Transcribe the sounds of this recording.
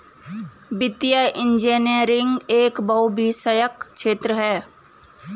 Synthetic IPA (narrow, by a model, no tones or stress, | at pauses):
bɪt̪jaʔɪ̃nd͡ʒeːniəɾɪ̃ŋɡeːkbɐwbʱisəjəkʃeːt̪ɾəɦɛː